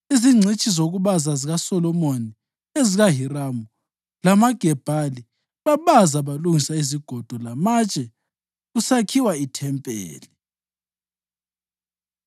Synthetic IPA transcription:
iziŋ͡ǀʱet͡ʃʼizoɣuβazaziɣasɔlɔmoni | eziɣaɦiɾamu | lamaɡ̥ʱɛb̥ʱali | βaβazaβaluŋisaiziɡ̥ʱɔd̥ʱɔlamat͡ʃʼɛ | ɣusakʰiwaitʰɛmpʼḛːli

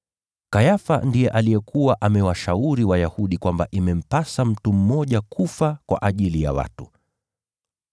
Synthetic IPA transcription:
kajafa̰ndijɛʔalijɛkʰuwaʔamɛwaʃauɾiwajahuɗikwamba̰ʔimɛm̩pasam̩tum̩mɔʄakʰufakwa̰ʔaʄilija̰wa̰tu

